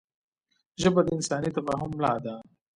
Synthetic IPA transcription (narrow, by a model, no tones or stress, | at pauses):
ʒəbad̪əɪnsɑːnit̪abaɦʊmːlɑːd̪a